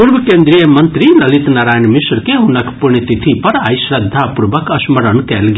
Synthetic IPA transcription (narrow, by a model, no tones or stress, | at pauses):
puɾbɐkeːnd̪ɾijəmɐnt̪ɾilɐlit̪naɾaːjnmiʃɾkeɦunɐkpuɾɳit̪it̪ʰipɐɾa̰jsɾɐd̪ʱːapuɾbɐkɐsmɐɾəɳkɛːlɡ